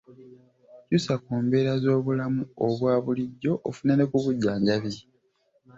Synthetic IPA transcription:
cusakoːmbe̞ːɾazo̞ːβulamuoβwaːβuliɟːo̞ʔːfunene̞kuβuɟːaːɲɟaβi

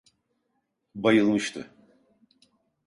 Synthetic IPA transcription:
bajɯlˠmɯʃt̪ʰɯ̰

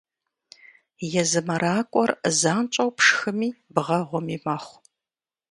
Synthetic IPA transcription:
jɛzɨmɐɾaːkʷʼɔrzaːnt͡ʃʼɐwpʂxɨmiːbʁɐʁʷʊmiːmaːχʷ

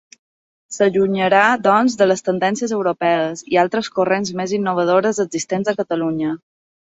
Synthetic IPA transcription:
səʎuɲəɾad̪ɔnzðələst̪ənd̪ɛnsiəzəwɾopɛəzialˠt̪ɾəskurenzmezinːuβ̞əð̞oɾəzəɡzist̪enzəkət̪əluɲə

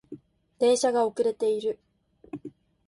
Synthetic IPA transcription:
d̪̥ẽ̞ɰ̃ɕaɡaokɯ̟ɾe̞t̪e̞iɾɯ̟

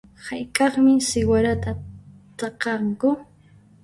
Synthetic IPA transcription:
hajkʼɑχmɪsɪwaɾat̪a | t̪ɑqɑŋkʊ

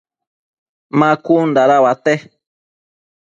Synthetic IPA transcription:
mãkund̪aɾaβat̪e

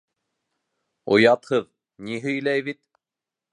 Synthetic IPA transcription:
ŏ̰jɑt̪hɤð | niɦɵ̆jlæjβit̪̚

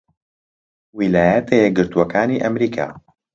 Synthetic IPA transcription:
wilaːjɛt̪ʰejɛɡɨɾt̪uwɐkaːniːʔɐmɾiːkʰa̰ː

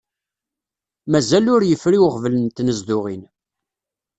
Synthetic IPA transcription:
mæzælʊɾjəfɾiwqvələnt̪ːnəzd̪ʊʁin

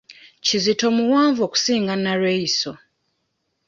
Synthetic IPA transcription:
cizito̞muwaːɱvo̞ːku̥siːŋɡanaɾwejiso̞

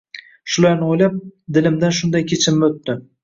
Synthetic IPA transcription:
ʃʊlaɾnɪojlap̚d̪ɪlɪmd̪anʃʊnd̪ajkʲʰet͡ʃʰɪmːɪot̪ːɪ

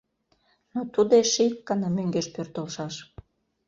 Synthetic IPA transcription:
not̪ud̪eʃikːɑnɑmøŋɡeʃpørt̪əlʃɑʃ

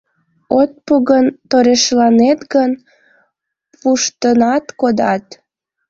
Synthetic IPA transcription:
ot̪̚puɣənt̪oɾeʃlɑnet̪ɡən | puʃt̪ənɑt̪kod̪ɑt̪

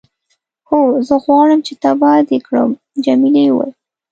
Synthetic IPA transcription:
xozəɣwɑɽəmt͡ʃet̪abɑd̪ekɽə̰m | d͡ʒamiliwa̰j

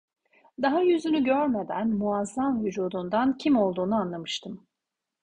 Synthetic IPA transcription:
d̪aɦajyzynyɟøɾme̞d̪ænmuazːamvyd͡ʒuːd̪und̪ancʰimo̞lˠd̪uːnuanlˠamɯʃt̪ʰɯm

